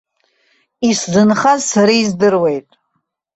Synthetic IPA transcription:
iszɨnχazsaɾizdɨrwe̞jtʼ

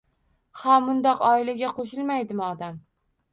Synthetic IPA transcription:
hamːʊnd̪ɒqɒɪlaɡʲaqʰoʃ̬ɪlmajd̪ɪmɒd̪am

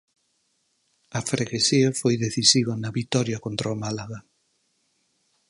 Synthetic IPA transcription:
ɐfɾeɣesiɐfojðeθisiβɐnɐβit̪ɔɾjɐkont̪ɾamalaɣɐ

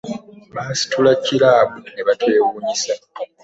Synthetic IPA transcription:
maːsi̥tulacːiɾaːβuneβatwe̞ːwuːɲisa

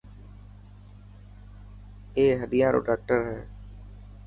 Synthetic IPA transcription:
eːɦəɗ̪ɪjãːɾo̰ːɖaːk̚ʈəɾɦɛː

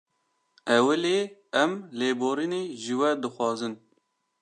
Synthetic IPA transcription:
ɛwɨleːɛmleːboːɾineːʒɨwɛd̪ɨxʷɑːzɨn

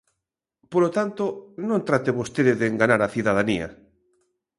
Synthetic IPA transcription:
polot̪ant̪onõnt̪ɾat̪eβost̪eðɪðeːŋɡanaɾaθiðaðania̰

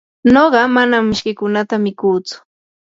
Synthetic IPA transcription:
noɢɑmanamːɪʃkɪkʊnat̪amɪkuːt͡sʊ̥

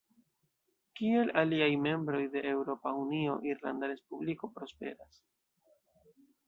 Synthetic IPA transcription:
kie̞laliajme̞mbɾo̞jde̞ʔːwɾo̞paunio̞ʔiɾla̰ndaɾe̞spubliko̞pɾo̞spe̞̰ɾas

